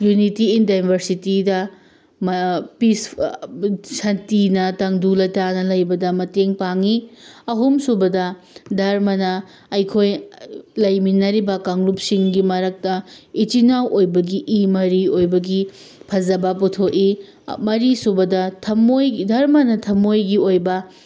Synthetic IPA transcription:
junitiindajbʱɐɾsitidɐ | mpis | sɐntinɐtɐŋdulɐjtanɐlɐjbɐdɐmɐteŋpaŋiɐɦumsubɐdɐ | dʱɐɾmɐnɐː | jkʰojlɐjminɐɾibɐkɐŋlup̚siŋɡimɐɾɐk̚tɐit͡ʃinawʔojbɐɡiʔːmɐɾiojbɐɡipʰɐzɐbɐputʰoki | mɐɾisubɐdɐtʰɐmojdʱɐɾmɐnɐtʰɐmojɡiojbɐ

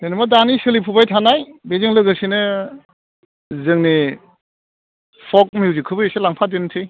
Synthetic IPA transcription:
denɯmadanisɯlipʰubajtʰanajbezɯŋlɯɡɯsinɯ | zɯŋni | pʰɔk̚miwzikʰɯbɯeselaŋpʰadentʰɯj

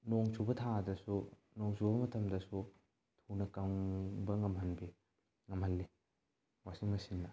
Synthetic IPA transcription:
noŋsʰubɐtʰadɐsu | noŋsʰubɐmɐtʰɐmdɐsu | tʰunɐkawŋbɐŋɐmɦɐnbi | ŋɐmhɐlːi | wasiŋmɐsinːɐ

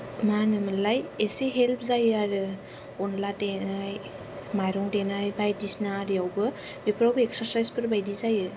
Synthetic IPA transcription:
manɯmɯlajesiɦelpʰzajaɾɯ | ɔnlatenaj | majɾɔŋdenajbajdisnaɾijawbɯbipʰɾawbeksaɾsajspʰɯɾbajdizajɯ

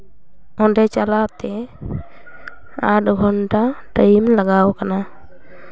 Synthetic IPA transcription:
ɔɳɖɛt͡ʃalat̪ɛ | aʈɡʱɔnʈaʈəjmlaɡawkana

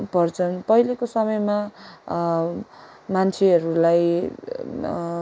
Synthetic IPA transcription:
pʌrt͡sʰʌnpʌɦilekosʌmʌjma | mant͡sʰeɦʌɾulaj

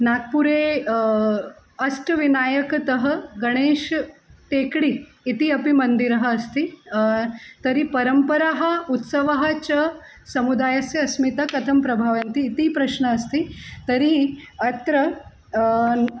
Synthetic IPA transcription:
naɡ̪̚puɾe | ɐsʈʋinaːjəkt̪əɦəɡɐɽ̃eːʃʈekɽiː | t̪iɐpimɐnd̪iɾɐɦəːst̪i | t̪əɾipɐɾəmpəɾaɦə̆ut̪səʋaɦɐt͡ɕɐ | sɐmud̪ajasjɐɐsmit̪ɐkɐt̪ʰɐmpɾɐbʱaʋɐnt̪iːt̪ipɾɐɕɳəːst̪it̪əɾiɐt̪ɾə

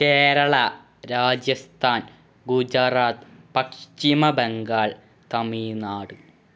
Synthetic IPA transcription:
keːɾɐɭɐ | ɾaːd͡ʑjɐst̪ʰaːn | ɡud͡ʑɐraːt̪pɐkʂimɐbeŋɡaːɭ | t̪ɐmiːnaːɽɨ

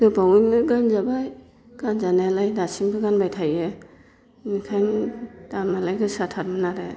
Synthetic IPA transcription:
dɯbaŋɯnɯɡanzabaj | ɡ̥anzanajalajdasimɡɯɡanbajtʰajɯ | nikʰajnd̥anmalajɡɯsatʰatmɯnaɾɯ

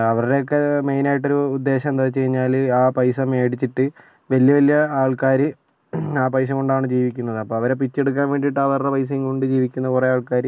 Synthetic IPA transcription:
ɐʋɐɾɨɽe̞okːe̞mejnaːjiʈːo̞ɾuːd̪ːe̞ːɕɐmnd̪aːt͡ɕːejiɲːaːlaːpɐjsɐme̞ːɽit͡ɕːiʈːɨ | ʋɐljɐʋɐlijɐaːɭkaːɾɨ | aːpɐjs̬ɐŋoɳɖaːɳɨd͡ʑiːʋikʲːunːɐðɨɐpːoːɐʋɐɾe̞p̬it͡ɕːe̞ɽuk̬ːaːnʋe̞ːɳɖiʈːɨɐʋɐɾrepɐjs̬iŋkoɳɖɨd͡ʑiːʋikʲːunːɐkureaːɭkaːɾɨ

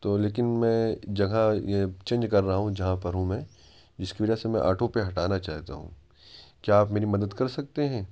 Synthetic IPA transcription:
t̪oːleːkɪnmɛ̃ːd͡ʒɐɡãjet͡ʃẽːnd͡ʒkɐɾːɐɦaɦũd͡ʒɐɦãpɐɾɦũmẽ | d͡ʒɪskiʋɐd͡ʒasemɛ̃ʔa̰ːʈʰõpeɦɐʈaːnat͡ʃaːɦt̪a̰ɦṵ̃ː | kjaːpmeːɾimɐd̪əd̪kɐɾsɐk̚t̪eɦɛ̃ː

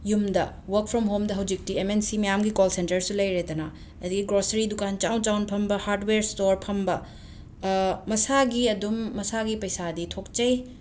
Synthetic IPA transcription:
jumdɐwɐk̚pʰɾɔmɦomdɐɦɐwd͡ʒik̚tiemensimɐjamɡikolsentɐɾsulɐjɾedɐnɐ | ɐd̪iɡiɡɾosɐɾidukant͡ʃawnt͡ʃawnpʰɐmbɐhaɾdweɾstoɾpʰɐmbɐ | mɐsaɡiɐdumːɐsaɡipɐjsaditʰok̚t͡ʃɐj

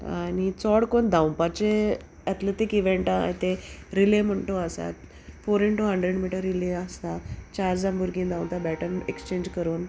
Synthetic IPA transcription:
a̰ɽit͡sɔɽkond̪ãw̃pat͡ɕe | at̪let̪ikiʋeɳʈãa̰jt̪eɾilem̤əɳʈoəsa̰t̪ | foɾiɳʈuɦəɳɖɾeɽmiʈəɾːileaəsat͡ɕaɾd͡zambuɾɡĩnd̪ãw̃t̪abɛʈəmekst͡ɕẽɲd͡ʑkəɾuːn

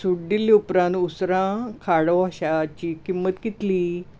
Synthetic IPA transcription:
suɽɖilːiupɾãnt̪usɾãkʰaɽəaɕat͡ɕiːkimːət̪kit̪li

